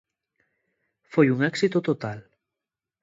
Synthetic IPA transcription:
fojuŋɛksit̪ot̪ot̪al

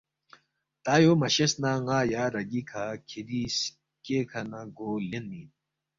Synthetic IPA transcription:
t̪aːjomɐɕesnaːŋaːjaːɾɐɡikʰakʰiɾis | keːkʰɐnaɡoːlenmiːn

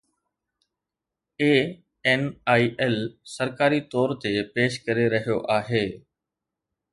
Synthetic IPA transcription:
eː | enaːiʔɛlsəɾkaːɾit̪ɔːɾt̪epeːʃkɐɾeɾɐɦijoʔaːɦeː

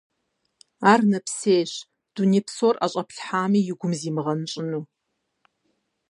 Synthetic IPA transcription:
aːrnɐpseːɕ | d̥unipsora̰ɕʼɐpʰɬħaːmiːjɪɡʷʊmziːmʁɐnɨɕʼɪnuː

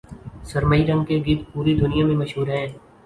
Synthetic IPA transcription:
sɐɾməiɾɐ̃ŋɡ̚keɡɪd̪puːɾid̪ʱʊnɪjamẽmɐʃɦuːɾɦɛ̃ː

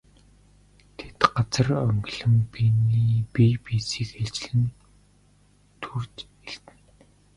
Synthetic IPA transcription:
t̪ʰe̥t̪ɢat͡sə̆rœŋɡɮɘ̆mpiniːpipiːsiːkxeɮt͡ɕɮɘ̆n | t̪ʰurt͡ɕ | eɮt̪ɘ̆n

